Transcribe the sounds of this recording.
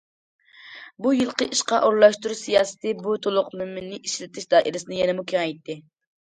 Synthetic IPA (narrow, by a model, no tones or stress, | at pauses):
bujɨlˠqəʔiʃqɑʔoɾlˠɑʃt̪uɾusijɑːsɨ̥t̪ʰɪbut̪ʰolˠʊqmymːɪnːɪʔiʃlɪt̪ʰɪʃd̪ɑːʔiɾɪsɨnɨjɛnɛmukʲʰeŋɛjt̪ːɪ